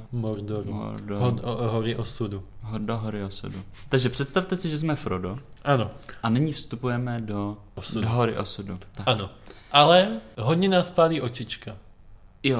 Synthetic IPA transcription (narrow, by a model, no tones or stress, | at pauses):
mɔɾd̪ɔɾuɔ̰ɾdoɦɔɾɪʔɔsud̪uɦdoɦoɾɪosṵdut̪aɡʒɛpr̥ɛt̪st̪aft̪ɛsɪʒɛzmɛfɾodoʔanoʔanɪɲifst̪upujɛmɛdo | sudoɦoɾɪʔo̰sudut̪aano | ʔalɛɦɔdɲɛnaːspaliːʔot͡ʃit͡ʃka | jo